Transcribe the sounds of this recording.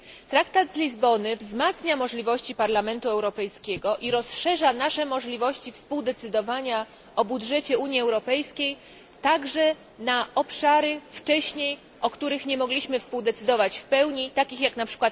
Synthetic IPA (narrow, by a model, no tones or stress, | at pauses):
t̪ɾakt̪ad̪zlʲizbɔnɘvzmat̪sɲamɔʐlʲivɔɕt͡ɕipaɾlamɛnt̪uɛwɾɔpɛjskʲɛɡɔʔiɾɔsʂɛʐanaʂɛmɔʐlʲivɔɕt͡ɕifspuwd̪ɛt̪sɘd̪ɔvaɲa | ʔɔbudʐɛt͡ɕɛuɲiɛwɾɔpɛjskʲej | t̪aɡʐɛ | naɔpʂaɾɘft͡ʂɛɕɲej | ʔɔkt̪uɾɘxɲɛmɔɡlʲiɕmɘfspuwd̪ɛt̪sɘd̪ɔvat͡ɕfpɛwɲit̪akʲixjaknapʂɘ̥kwat̪